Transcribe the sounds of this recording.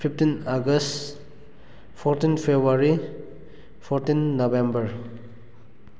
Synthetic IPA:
pʰiptinaɡəst | pʰɔɾtinpʰebuaɾi | pʰɔɾtinːobembəɾ

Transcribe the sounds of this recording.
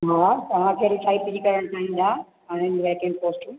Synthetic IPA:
ɦaːt̪ɐʋ̤ãkʰeɾit͡ʃʰaːipid͡ʑikɐɾəɽ̃t͡ɕʰaːɦĩːn̆d̪aː | ɦaːɽ̃ɪnɡʋeːkẽɳɖ̚poːsʈũ

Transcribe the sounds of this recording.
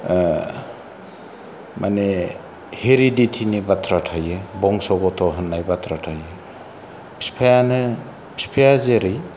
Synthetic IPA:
mane | heɾiditʰinibatʰɾatʰajɯbɔŋsɔɡɔtʰɔɦɯnːajbatʰɾatʰajɯ | pspʰajanɯ | pʰsipʰejazeɾɯj

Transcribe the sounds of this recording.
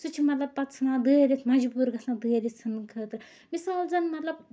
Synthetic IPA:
sut͡ʃʰimɐt̪lɐb̚pɐt̪t͡sʰnãːd̪ɨːɾʲit̪ʰmɐd͡ʒbuɾɡɐsʰnad̪ɨːɾit̪sʰɐnkʰəːt̪ɨɾ | misaːlzɐnmɐt̪lɐb̚

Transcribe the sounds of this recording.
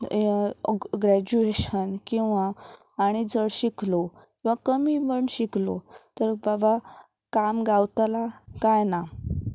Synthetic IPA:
ɡɾæd͡ʑueɕənkĩw̃ʋaː | ɽ̃id͡zəɽɕiklo | kĩw̃ʋakəmibəɳɕiklo̰t̪əɾbaba | kamɡawt̪alakajna

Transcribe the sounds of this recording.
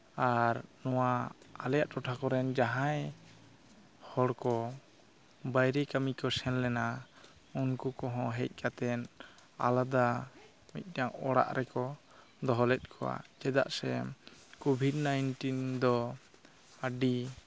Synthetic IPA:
aɾnɔwaalɛjaʔʈɔʈʰakɔɾɛnd͡ʒaɦãj | hɔɽkɔ | bajɾɛkamikɔsɛnlɛna | unkukɔɦɔ̃ɦɛc̚ˀkʰat̪ɛna̰lad̪a | mḭt̪̚ˀnaŋɔ̰ɽa̰ʔɾɛkɔ | d̪ɔɦɔlɛt̪̚ˀkʰɔwa̰d͡ʒɛd̪a̰ʔsɛmkɔbʱidnajnʈind̪ɔ | aɖi

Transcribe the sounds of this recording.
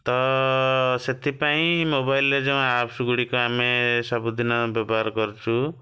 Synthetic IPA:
t̪ɔ | set̪ʰipaĩmobailːed͡ʒem̃apsuɡuɽikɔamesɔbud̪inɔbjɔbɔɦaɾɔkɔɾut͡ʃʰu

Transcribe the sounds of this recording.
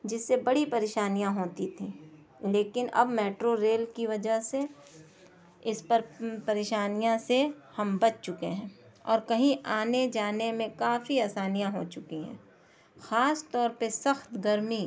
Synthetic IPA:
d͡ʒɪsːebɐɽipɐɾeːʃaːnijãɦoːt̪it̪ʰĩː | leːkɪnɐ̰bmɛːʈɾoɾeːlkiʋɐd͡ʒəɦse | ɪspəɾpɐɾeːʃaːnijãse | hɐmbɐt͡ʃt͡ʃʊkeɦɛ̃ːɔːɾkɐɦĩʔaːned͡ʒaːnemẽkaːfiaːsaːnijãɦoːt͡ʃʊkiɦɛ̰̃ː | xaːst̪ɔːɾpesɐxt̪ɡɐɾmi

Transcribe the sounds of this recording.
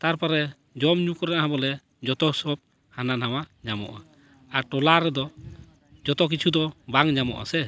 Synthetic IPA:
t̪aɾpaɾɛ | d͡ʒɔmɲũkɔɾɛʔaɦãbɔlɛ | d͡ʒɔt̪ɔsɔb̚ | hananawaɲamɔ̰ʔa | aɾʈɔlaɾɛd̪ɔ | d͡ʒɔt̪ɔk̬it͡ʃʰud̪ɔbaŋɲamɔ̰ʔa̰sɛ

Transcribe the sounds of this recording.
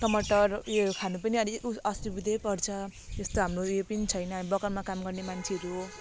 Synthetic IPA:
ʈʌmʌʈːʌrjokʰanupʌniʌɾikuʌst̪ibid̪ʱepʌrt͡sʰʌest̪oɦamrojopʌnit͡sʰʌjnʌbʌkʌɾmakamɡʌrnemant͡sʰeʌɾu

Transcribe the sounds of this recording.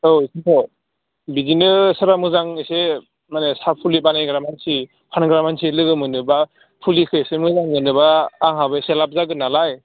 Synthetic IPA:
ositʰɔ | bizinɯsɯɾamɯzaŋɯse | manesapʰulibanajɡɾamansi | pʰanɡɾamansʰilɯɡɯmɯnɯba | pʰulikʰɯjsemɯzaŋɯnɯbaːŋɦabɯselap̚zaɡɯnalaj

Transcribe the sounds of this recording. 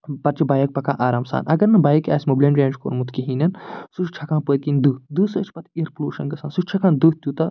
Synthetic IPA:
pɐɾt͡ʃʰibaːjɐk̚pɐkã̰ːʔaːɾaːmsa̰ːnʔɐ̰ɡɐɾnɐbaːjɐkaːsʲmoblʲɐnɾʲeːnt͡ʃko̰ːɾmut̪ʰkiɦinɐnsuʃt͡ʃʰɐkãːnpəːt̪̚kʲind̪ɨːd̪ɨsəːt͡ʃʰpɐt̪ʰiɐɾpluːʃɐnɡɐsaːnsuʃt͡ʃʰɐkãːnd̪ut̪juːt̪ɐ

